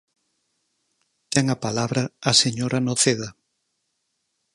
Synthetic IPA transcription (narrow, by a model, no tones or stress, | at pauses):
t̪ɛŋapalaβɾɐːseɲoɾɐnoθeðɐ